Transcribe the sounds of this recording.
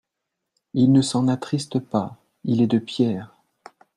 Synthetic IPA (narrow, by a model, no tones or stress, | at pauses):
ilnəsɑ̃nat̪χist̪əpa | ilɛd̪əpjɛːʁ